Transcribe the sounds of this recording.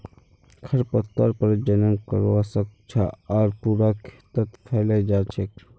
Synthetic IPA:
kʰəɾpət̪ːəɾpəɾd͡ʒənəŋɡkəɾasək̚t͡ʃʰaaːɾpuːɾakʰe̥t̪ət̪pʰɛləd͡ʒaːt͡ʃʰek

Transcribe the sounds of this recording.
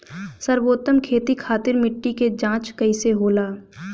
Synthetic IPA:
səɾboːt̪əmkʰeːt̪ikʰaːt̪ɪɾmɪʈːiked͡ʒãːt͡ʃkɐɪseɦoːlaː

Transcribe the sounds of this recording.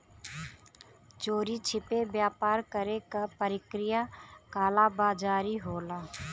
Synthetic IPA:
t͡ʃoːɾiːt͡ʃʰɪpeːbjaːpaːɾkəɾeːkapəɾɪkɾɪjaːkaːlaːbaːd͡ʒaːɾiːɦoːlaː

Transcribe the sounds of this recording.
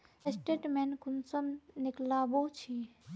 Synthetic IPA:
esʈeːʈmenkʊnsəmnɪklaːboːt͡ʃʰiː

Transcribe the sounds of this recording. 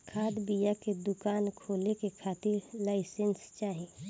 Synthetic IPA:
kʰaːd̪bijaked̪ʊkaːnkʰoːlekekʰaːt̪ɪɾlaːɪsenst͡ʃaːɦie

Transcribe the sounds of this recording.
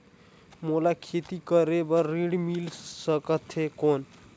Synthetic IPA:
molakʰet̪ikəɾebəɾːiɽmilsəkət̪ɦekon

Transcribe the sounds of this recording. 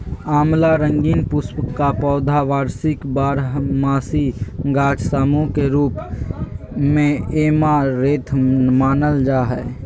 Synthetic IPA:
aːmlaɾə̃ŋɡiːnpʊspkːapɔːd̪ʱaʋaːɾsɪkbaːɾɦmaːsiɡaːt͡ʃʰsaːmõkeɾuːp | mẽeːmaɾeːt̪ʰmaːnəld͡ʒaːɦɛː

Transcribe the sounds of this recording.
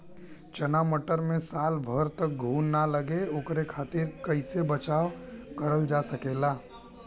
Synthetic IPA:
t͡ʃənaməʈəɾmẽsaːlbʱəɾt̪ək̚ɡʱuːnːaləɡeoːkɾekʰaːt̪ɪɾkəɪsebət͡ʃaːʋkəɾəld͡ʒasəkela

